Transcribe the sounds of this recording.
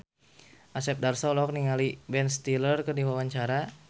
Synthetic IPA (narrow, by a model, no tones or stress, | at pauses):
ʔasɛp̚darsɔlɔk̚niŋalibɛnst̪ilərkərdiwawaɲt͡ʃaɾa